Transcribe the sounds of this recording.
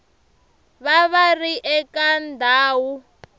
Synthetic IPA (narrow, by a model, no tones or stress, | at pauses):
βaβariʔɛkandʱaːwu